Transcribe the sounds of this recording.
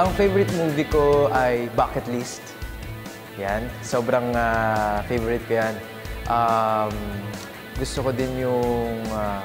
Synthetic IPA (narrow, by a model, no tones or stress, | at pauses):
ʔɐŋfejvɔɾɪt̪̚muːviko̞ʔɐjbaːkɛt̪list̪ | jansoːbɾɐŋafejvɔɾɪt̪̚kojan | ʔam | ɡʊst̪okod̪ɪnjʊŋa